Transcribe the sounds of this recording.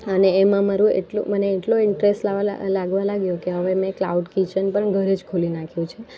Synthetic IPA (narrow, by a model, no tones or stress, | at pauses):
əneːmãmaɾũḛʈlṵməneːʈloɪɳʈɾesʈlaʋa̰laɡʋalaɡjõkeɦəʋemẽkla̰uɖkit͡ʃənpəɳɡʱəɾed͡ʒkʰulinakʰjũt͡ʃʰe